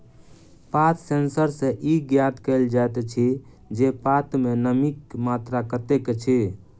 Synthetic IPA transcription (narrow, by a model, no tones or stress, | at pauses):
pat̪sensəɾsẽʔiɡjat̪kəld͡ʒat̪t͡ʃʰi | d͡ʒepat̪menəmikmat̪ɾakət̪eket͡ʃʰi